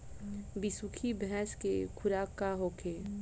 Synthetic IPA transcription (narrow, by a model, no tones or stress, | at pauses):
bisukʰibɛɛskekʰʊɾaːkːaɦoːkʰeː